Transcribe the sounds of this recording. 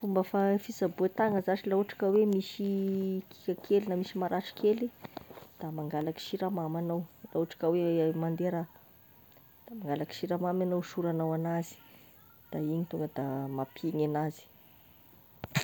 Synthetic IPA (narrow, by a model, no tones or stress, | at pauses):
fumbəfafisabuet̪aŋəzaʈ͡ʂilauʈ͡ʂḁkawemisiki̥kʲakʰelinamisimaɾʔaʈ͡ʂi̥kʰelid̪̥amaŋɡalaki̥ʃiɾamamanawlauʈ͡ʂḁkawemand̪eɾa | d̪̥amaŋɡalaki̥ʃiɾamamanowsuɾanawanazi̥ | d̪̥aiɲit̪uŋɡəd̪amapʰeɲanazi̥